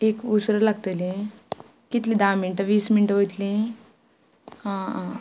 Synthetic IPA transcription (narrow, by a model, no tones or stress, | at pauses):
ekusɾəlaɡt̪əlĩ | kit̪liːd̪aminʈəʋiːsminʈəɦojt̪lĩ | hã